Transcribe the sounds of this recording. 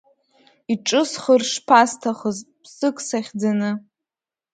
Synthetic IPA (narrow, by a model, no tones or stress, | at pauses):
iʈ͡ʂʼɨsχərʂpʰastʰaχəzpʰsɨkʷʼsaχʲd͡zanɨ